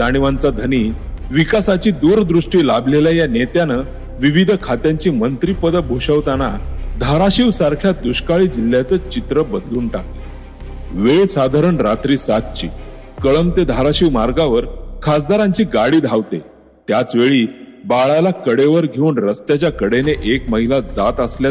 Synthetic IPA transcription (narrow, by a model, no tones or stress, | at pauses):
d̪aɽ̃iʋant͡sad̪ʱəniːʋikasat͡ɕiːd̪uɾd̪ɾuʂʈiːlablelajanet̪janə | ʋiʋid̪ʱkʰat̪jaɲt͡ɕiːmənt̪ɾiːpəd̪əbʱoɕəʋt̪anad̪ʱaɾaɕiʋsaɾkʰjad̪uɕkaɭiːd͡ʑil̤ːjat͡sət͡ɕit̪ɾəbəd̪luːnʈakt̪e | ʋesad̪ʱaɾəɳɾat̪ɾiːsat̪̚t͡ɕḭː | kəɭəmt̪ed̪ʱaɾaɕiʋmaɾɡaʋəɾkʰas̬d̪ʱaɾãɲt͡ɕiːɡaɽiːd̪ʱaʋt̪ḛ | t̪jat͡sʋeɭiːbaɭalakəɽeʋəɾɡʱeuːnɾəst̪jat͡ɕjakəɽeneʔekməɦilad͡zat̪əsla